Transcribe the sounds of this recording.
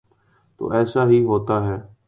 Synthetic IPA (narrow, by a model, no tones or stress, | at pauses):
t̪o̰ːʔɛːsaːɦiːɦoːt̪aːɦɛː